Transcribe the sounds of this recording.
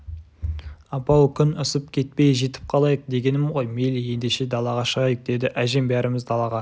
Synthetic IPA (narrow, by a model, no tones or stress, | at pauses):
ɑpɑwkʲʰʏnʊsəp̚kʲʰe̞t̪̚pe̞jʒe̞t̪ɪ̥p̚qʰɑlˠɑjəq̚d̪e̞ɡʲe̞nɪmʁo̞jme̞lije̞nd̪e̞ʃe̞d̪ɑlˠɑʁɑʃəʁɑjəq̚d̪̥e̞d̪ɪʔæʒe̞mbæɾɪmɪzd̪ɑlˠɑʁɑ